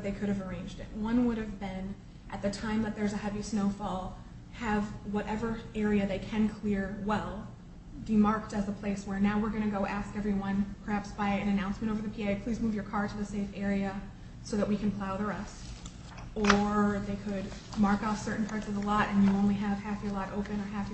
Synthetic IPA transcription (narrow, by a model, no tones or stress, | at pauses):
bʌt̪̚ðeɪkʰʊɾɨvə˞ẽɪ̃nd͡ʒdɪ̰twʌ̃nwʊɾɨvbɪ̃n | ʔɨt̪̚ðɨtʰãɪ̃mðɨt̪̚ðə˞zɨhɛvisnoʊfɔlˠ | ɨvwʌɾʔɛvə˞ɛɹiɨðeɪkʰɨ̃nkʰl̥ɪɹwɛlˠ | dimɑɹk̚tɨzəpʰl̥eɪswə˞naʊwɨɹɡʌnɨɡoʊʔæskɛvɹiwʌ̃npʰə˞hæpsb̥aɪɨ̃ñɨnãʊ̃nsmɨ̃ɾ̃oʊvə˞ðɨpʰieɪpʰl̥izmuvjə˞kʰɑɹɾɨɨseɪfɛɹiɨ | soʊðɨʔ̚wikʰɨ̃n̩pʰl̥aʊɾə˞ʌs | ə˞ðeɪkʰɨd̚ | mɑɹkɔfsɜ˞ʔn̩pʰɑɹtsʌvəlɔɾɨ̃njɨõʊ̃nliɨv̥hæfjə˞lɔɾʔoʊpɨ̃nə˞ɦæf